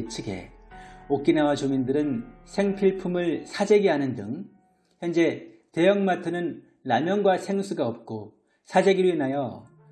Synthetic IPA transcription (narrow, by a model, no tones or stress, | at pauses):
t͡ɕʰɯɡe̞̰ | ok͈inawat͡ɕomindɯɾɯnsʰe̞ŋpʰiɭpʰumɯɭsʰad͡ʑeɡiɦanɯndɯŋ | çjʌnd͡ʑe̞ | te̞jʌŋmatʰɯnɯnː | amjʌnɡwasʰe̞ŋsʰuɡaʌp̚k͈o | sʰad͡ʑeɡiɾuinajʌ